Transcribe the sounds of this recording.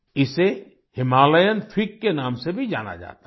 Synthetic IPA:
ɪse | hɪmaːləjənfʰɪkːenãːmsebʱid͡ʒa̰ːna̰d͡ʒa̰ːt̪a

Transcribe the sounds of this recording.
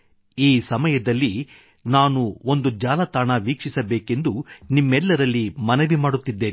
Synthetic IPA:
iːsɐmɐjɐd̪ɐlːi | naːnuo̞nd̪ud͡ʒaːlɐt̪aːɳɐʋiːkʂisɐbeːke̞nd̪unimːɛlːɐɾɐlːimɐnɐʋimaːɽut̪ːid̪ːeːn

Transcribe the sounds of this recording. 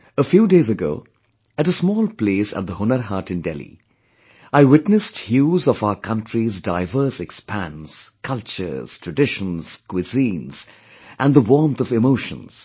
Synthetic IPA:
əfjuːdeɪzɨɡo̰ʊː | ɨɾəsmɔːlˠpleːsə̰t̪̚d̪əhʊnəɾɦɑːtɨ̃ndɛlˠḭ | aɪwɪtnɨsthjuːzɔvaʊəkʰʌ̃ntʰɹizdaɪvə˞sɛkspʰæ̃nskʰʌlˠt͡ʃə̰˞z̥tʰɹ̥ɨdɪʃnz̥kʰwɪzĩːnz̥ | ʔæ̃nðəwɔɹmθʌvɪmoʊʃə̰̃nz̥

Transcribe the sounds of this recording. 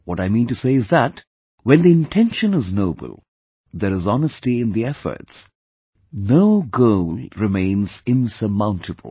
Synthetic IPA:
wɔɾaɪmĩntɨseɪɨzðət | wɛ̃nd̪iɪ̃ntʰɛ̃nʃə̃nɪznoʊbə̰l̩ˠ | d̪əɾɨzɑnəstiɪ̃nd̪iɛfə̰˞ts | noʊɡoʊlɹɨmẽɪ̃nz̥ɪ̃nsəmãʊ̃ntʰɨbə̰l̩ˠ

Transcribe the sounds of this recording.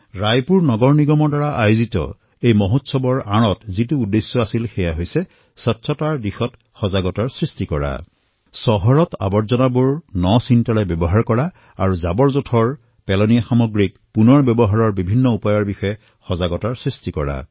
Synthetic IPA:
ɹajpuɹnɔɡɔɹniɡɔmɔɹdaɹaʔajozitɔ̰ | ejmɔɦotsɔbɔɹaɹ̃ɔtzituːdːesjɔasilxɛjaɦojsɛ | sɔtsʰɔtaɹdixɔt | xɔzaɡɔtaɹsɹistikɔɹa̰ | sɔɦɔɹɔta̰bɔɹzɔnabuɹnɔsintalɛbɔbɔɦaɹkɔɹa | aɹuzabɔɹzotʰɔɹ | pɛlɔnijaxamɔɡɹik | punɔɹbjɔbɔɦaɹɔɹbibʱinːɔupajɔɹbixɔjɛ | xɔzaɡɔtaɹsɹistikɔɹa̰

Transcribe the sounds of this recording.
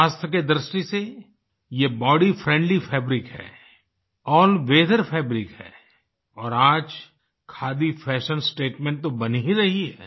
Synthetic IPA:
aːst̪ʰəked̪ɾɪʃʈise | jebɔːɖifɾɛ̃ːɳɖlifʰɛːbɾɪkɦɛ̰ː | ɔːlʋeːd̪əɾpʰɛːbɾɪkɦɛ̰ː | ɔːɾaːd͡ʒ | kʰaːd̪ifʰɛːʃənsʈeːʈmẽːɳʈ̚t̪obɐniɦiɾɐɦiɦɛ̰ː

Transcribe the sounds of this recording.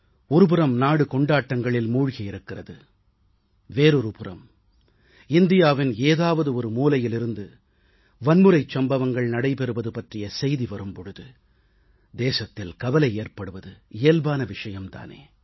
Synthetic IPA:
ɔɾɯp̬ɯɾɐmnaːɽɯkɔɳɖaːʈːɐŋɡɐɭɪlmuːɻɣɐɪɾɯkːɪrɐðɯ | ʋeːɾɯɾɯpɯrɐ̰m | ɪnd̪ɪjaːʋɪneːðaːʋɐðɯɔɾɯmuːlɐjɪlɪɾɯnd̪ɯ | ʋɐnmɯɾɐɪt͡ʃːɐmbɐʋɐŋɡɐɭnɐɽɐɪpɛɾɯʋɐðɯpɐʈrɪjɐsɛjðiʋɐɾɯmpɔɻɯðɯ | d̪eːsɐt̪ːɪlkɐʋɐlɐɪeːrpɐɽɯʋɐðɯɪjːɐlbaːnɐʋɪʂɐjɐmt̪a̰ːnḛː

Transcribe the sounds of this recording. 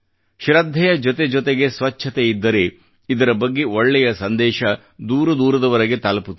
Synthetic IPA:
ʃɾɐd̪ʱːɛjɐd͡ʒɔt̪e̞d͡ʒɔt̪eɡe̞sʋɐt͡ʃʰːɐt̪eid̪ːɐɾe̞ | id̪ɐɾɐbɐɡːe̞ʔoɭːɛjɐsɐnd̪ɛːʃɐ | d̪uːɾɐd̪uːɾɐd̪ɐʋɐɾɐɡe̞t̪ɐlɐput̪ː

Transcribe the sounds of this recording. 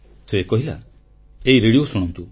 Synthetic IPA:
sekoɦila̰ | eiɾeɽiosuɽ̃ɔnt̪u

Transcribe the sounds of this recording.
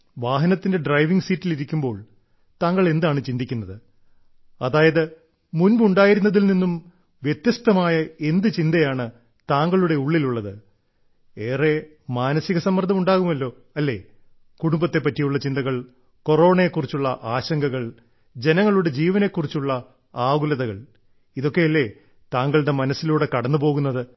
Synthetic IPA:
ʋaːɦɐnɐt̪ːinde̞ɖrɐjʋiŋɡsiːtːiliɾikʲːumbo̞ːɭ | t̪aːŋːɐɭe̞nd̪aːɳɨt͡ɕind̪ikʲːunːɐðɨ | ɐðaːjɐðɨ | munbuɳɖaːjiɾunːɐðilninːum | ʋjet̪jɐst̪ɐmaːjɐe̞nd̪ɨt͡ɕind̪ɐjaːɳɨ | t̪aːŋɡɐɭuɽe̞uɭːiluɭːɐðɨ | eːre̞ | maːnɐsiɣɐsɐmːɐrd̪ɐmuɳɖaːɣumɐlːo̞ː | ɐlːe̞̰ː | kuɽumbɐt̪ːe̞pːɐtːijuɭːɐt͡ɕind̪ɐɣɐɭ | ko̞ro̞ːɳɐekːurit͡ɕːuɭːɐʔaːɕɐŋɡɐɣɐɭ | d͡ʑe̞nɐŋːɐɭuɽe̞d͡ʑiːʋɐne̞ːkːurit͡ɕːuɭːɐ | aːɣulɐðɐɣɐɭ | iðo̞kːe̞jɐlːe̞ | t̪aːŋɡɐɭɽe̞mɐnɐsːiluːɽe̞kɐɽɐnːupo̞ːɣunːɐðɨ

